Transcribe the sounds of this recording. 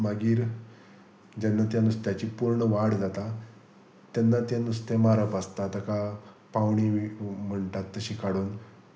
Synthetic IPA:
maɡiːɾ | d͡ʑanːat̪janust̪jat͡ɕiːpuɾɳəʋaɽd͡zat̪a | t̪janːat̪janust̪emaɾəpast̪at̪əka | paʋɳim̤əɳʈat̪ːəɕiːkaɽuːn

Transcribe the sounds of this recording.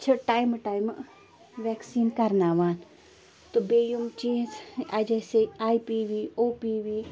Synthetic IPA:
t͡ʃʰɐʈaːjmʈaːjm | ʋɛːksiːnkɐɾnaːʋaːn | t̪obeːjumt͡ʃẽːnzɐd͡ʒɐseaːipiːʋiːoːpiʋiː

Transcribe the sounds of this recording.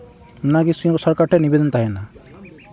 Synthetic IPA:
naɡisuŋkɔsɔɾkaɾʈɛnibɛd̪ɔnt̪aɦɛna

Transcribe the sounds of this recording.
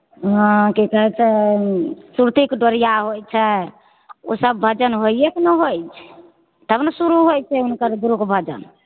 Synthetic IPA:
ɦãkikəɦɛt͡ʃʰɛ | suɾt̪ikɖəɾijaɦojt͡ʃʰɛ | osəb̚ːʱəd͡ʒənɦoieknəɦojt͡ʃʰɛ̥ | t̪əbnəsuɾuɦojt͡ʃʰɛɦunkəɾd̪uɾukbʱəd͡ʒə̰n

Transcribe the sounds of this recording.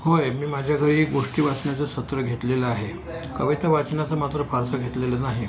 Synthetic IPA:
hojmiːmad͡ʑʱjakʰəɾiːɡoʂʈiːʋat͡sɳjat͡səsət̪ɾəɡʱet̪leləaɦe | kəʋit̪aʋat͡snat͡səmat̪ɾəfaɾsəɡʱet̪lelənaɦi

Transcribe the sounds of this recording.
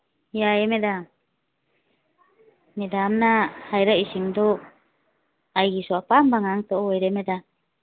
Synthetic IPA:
jaɛmɛda | mɛdamnahajɾaisiŋdɔ | ajɡisɔapambaŋaŋt̪ɔʔwɛɾɛmɛda

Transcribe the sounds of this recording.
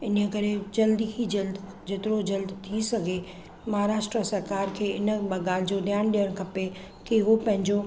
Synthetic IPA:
ɪnəkɐɾed͡ʑɐld̪ikʰid͡ʑɐld̪ | d͡ʑeːt̪ɪɾod͡ʑɐld̪t̪ʰisɐɡʱe | mɐɦaɾaːʃʈɾəsɐɾkaːɾkʰeːɪnəɓɡaːl̤ɪd͡ʑoɗ̪jaːñɗijəɽ̃kʰɐpe | keɦopɐ̃ɦɪ̃ɲd͡ʑo

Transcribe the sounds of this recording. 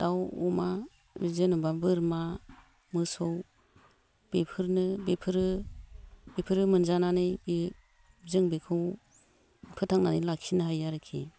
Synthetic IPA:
d̥awṵma | bizenubabɯɾma | mɯsɔw | b̥epʰɯɾnɯbepʰɯɾɯ | bepʰɯɾɯmɯnzananɯjbi | zɯŋbikʰɯw | pʰɯtʰaŋnanɯjlakʰinɯɦhajaɾɯkʰi

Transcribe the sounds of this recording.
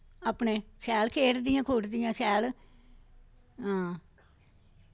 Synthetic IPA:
aːpɳeːsɛːlkʰeːʈd̪ɪjãːkʰoːʈd̪ɪjãːsɛːl | ɦãː

